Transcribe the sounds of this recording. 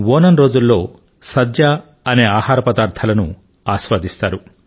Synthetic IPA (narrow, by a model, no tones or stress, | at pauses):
woːnɐnɾo̞ːd͡ʒulːo̞ː | sɐd̪ja | ɐne̞ːaːhaːɾɐpɐd̪aːɾt̪ʰɐlɐnṵ | aːʃʋaːd̪ist̪aːɾu